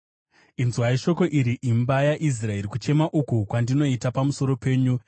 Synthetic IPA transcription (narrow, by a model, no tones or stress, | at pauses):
inzwaiʃo̞ko̞ʔiɾiʔimbajaʔis̬rae̞ɾikut͡ʃe̞maʔukukwandino̞itapamuso̞ɾo̞pe̞ːɲu